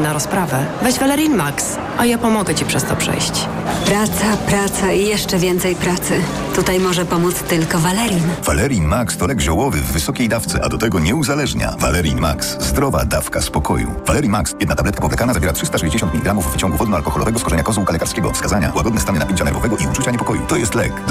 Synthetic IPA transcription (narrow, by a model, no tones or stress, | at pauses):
naɾɔspɾavɛvɛʑvalɛɾjinmaks | ʔajapɔmɔɡɛt͡ɕipʂɛst̪ɔpʂɛ̰jɕt͡ɕ | pɾat̪sapɾat̪saijɛʂt͡ʂɛvʲjɛnt̪sɛjpɾat̪sɘ | t̪ut̪ajmɔʐɛpɔmut̪st̪ɘlkɔvalɛɾjinv̥alɛɾʲinmakst̪ɔlɛɡʑɔwɔvɘvːɘsɔkʲejd̪aft̪sɛʔa̰d̪ɔt̪ɛɡɔɲɛuzalɛʐɲa̰valɛɾjinma̰kszd̪ɾɔva̰d̪afkaspɔkʰɔjṵvalɛɾʲimaksjɛd̪nat̪ablɛt̪kapɔvlɛkalnazavjɛɾatʂɘst̪aʂɛʑd͡ʑeɕɔnt̪mʲiliɡɾamuvːt͡ɕɔ̃ŋɡuvɔd̪nɔalkɔxɔlɔvɛɡɔskɔʐɛɲakɔzɔ̃wkalɛkaɾskʲɛɡɔ̰fskazaɲa̰waɡɔd̪nɛst̪anɛnapʲɛɲt͡ɕanɛɾvɔvɛɡɔʔiut͡ʂut͡ɕaɲɛpɔkɔjṵt̪ɔjɛst̪lɛ̰k